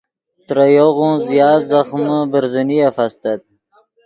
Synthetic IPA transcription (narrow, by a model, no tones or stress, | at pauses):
t̪ɾajoɣũzijɑːzaχməbəɾzənijafast̪ad̪̚